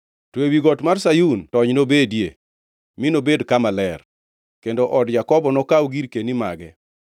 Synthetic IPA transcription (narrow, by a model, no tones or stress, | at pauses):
twewiɡɔtmarsajuntɔɲnobedjḛ | mɪnobedkamalɛr | kendoʔɔdjakɔbɔnɔkawɡiɾkenima̰ɡɛ